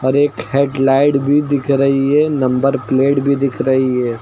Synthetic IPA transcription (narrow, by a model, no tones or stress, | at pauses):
ɔːɾeːkheːʈlaːɪɖbʱid̪ɪkʰɾɐɦiɦɛnɐ̃mbəɾpleːʈbʱid̪ɪkʰɾɐɦiɦɛː